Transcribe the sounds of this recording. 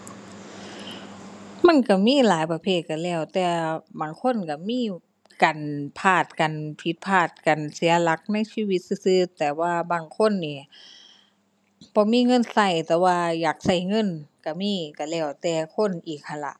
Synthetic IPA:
ma˧˥˨nka˧˩miː˧˥˨laː˨˦jpa˧pʰeː˧˩t̪̚ka˧˩lɛː˧˩˨wt̪ɛː˧baː˨˩ŋkʰo˧˥˨nka˧˩miː˧˥˨ | kaː˨npʰaː˧˩t̪̚ka˨npʰi˧˦t̪̚pʰaː˧˩t̪̚ka˨nsi˨˩˦ɐla˧˦˥k̚na˧˥˨jsiː˧˨wi˧˦t̪̚sɯ˧˩sɯː˧˥t̪ɛː˨˩waː˧˩baː˧˩ŋkʰo˧˥˨nːiː˧˩ | b̥ɔː˧˦miː˧˥˨ŋɤ˧˥˨nsa˧˩jt̪ɛː˧˩waː˧jaː˨˩k̚sa˧˩jŋɤ˧˥˨nka˧˩miː˧˥˨ka˧˩lɛː˧˩wt̪ɛː˧kʰo˧˥˨nʔiː˨˩k̚ha˧˩˨la̰˧˦ʔ

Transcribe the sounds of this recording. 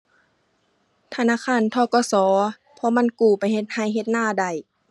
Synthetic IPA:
t̪ʰa˧naː˧˥˨kʰaː˧˨nt̪ʰɔː˧˦kɔː˧˦sɔː˨˦ | pʰɔ˧˦ma˧˥˨nkuː˨˩pa˨jɦe˧˦t̪̚ha˧˩jɦe˧t̪̚naː˧˥˨da˨˩j

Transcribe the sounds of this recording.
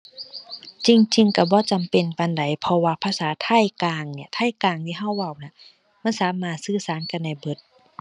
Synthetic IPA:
t͡ɕi˧ŋt͡ɕi˧ŋka˧˩bɔː˧˦t͡ɕa˨mpe˨nka˧˨nda˨˩jpʰɔ˧waː˧pʰaː˧saː˨˦t̪ʰa˧˥˨jkaː˧ŋni˧˩ɐt̪ʰaː˧˥˨jkaː˧˩ŋt̪ʰiː˧˨ɦa˧˩˨wːa˧˩wna˧˦ | ma˧˥˨nsaː˨˦maː˧˩t̪̚sɯː˧˩saː˨˦nka˧˨nːda˧˩jbɤ˧˩t̪̚

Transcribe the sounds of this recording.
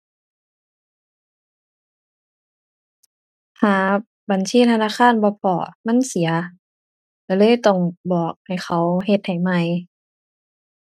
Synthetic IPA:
t̪ʰaː˨˦ | ba˨˩nsiː˧˥˨t̪ʰa˧naː˧˨xʰaː˧˥˨nbɔː˧˦pʰɔ̰ː˧˩˦ma˧˥˨nsi˨˩˦ɐ | la˧˩lɤː˧˥˨jt̪ɔ˧˩ŋbɔː˨˩k̚ha˨˩jxʰa˧˦wɦe˧t̪̚ha˨˩jma˧˩j

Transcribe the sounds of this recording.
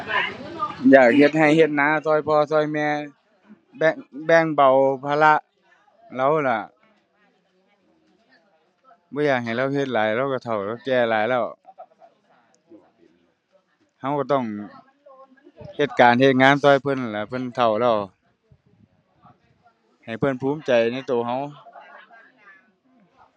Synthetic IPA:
jaː˨˩k̚he˧t̪̚ha˨˩jhe˧t̪̚naː˧˥˨t̪ʰɔː˧˩˨jpʰɔː˧t̪ʰɔː˧˩jmɛː˧˨ | bɛ˧ŋbɛː˧˩ŋba˨˩wpʰaː˧la˧˥ʔ | la˧˥˨wla˧˩ | bɔː˧˦jaː˧˩k̚ha˨˩jla˧˩˨whe˧t̪̚laː˨˦jɾa˧˩wka˧˩t̪ʰa˨˩wlɛ˧˩˨kɛː˧˩laː˨˦jlɛː˧˩˨w | ha˧˨wkaː˧˩t̪ɔ˧˩ŋ | he˧˩t̪̚kaː˨nhe˧t̪̚ŋaː˧˥˨nt̪ɔː˧˨jpʰɤ˧˥˨n˨la˧˨pʰɤ˧˥˨nt̪ʰa˨˩wlɛː˧˩w | ha˨˩jpʰɤ˧˥˨npʰuː˧˥˦mt͡ɕa˨jna˧˥˨jt̪oː˨˩hɦa˧˩w

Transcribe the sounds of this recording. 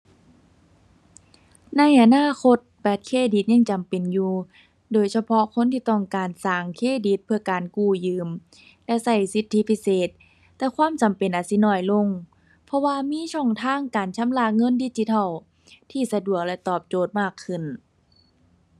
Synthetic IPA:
na˧˥˨jʔa˨˧˨naː˧˥˨ko˧˥t̪̚bɛː˧˩t̪̚kʰeː˧˥˨di˧˦t̪̚ɲa˧˥˨ŋt͡ɕa˨mpe˨njuː˧ | doː˨˩jsa˧pʰɔ˧kʰo˧˥˨nt̪ʰiː˧t̪ɔ˧˩ŋkaː˨˩nsaː˨˩ŋkʰeː˧˥˨di˧˦t̪̚pʰɯ˧ɐkaː˨nkuː˧˩jɯː˨m | lɛ˧˥ʔsa˧˩jsi˧˦t̪ʰːi˧˥pʰi˧˨seː˨˩t̪̚ː | ɛː˧kʰwaː˧˥˨mt͡ɕa˨mpe˨nʔaː˨˩si˧˦nɔː˧˩jlo˧˩˨ŋ | pʰɔ˧waː˧miː˧˥˨t͡ɕʰɔ˧˥˩ŋt̪ʰaː˧˥˨ŋkaː˨˩nt͡ɕʰa˧˥mlaː˧˨ŋɤ˧˥˨ndi˧˥˨t͡ɕi˧˦t̪ʰɔ˧˩w | t̪ʰiː˧˩sa˧du˨˩ək̚lɛ˧t̪ɔː˧˩p̚t͡ɕoː˨˩t̪̚maː˧˩kʰːɯ˧˩˨n

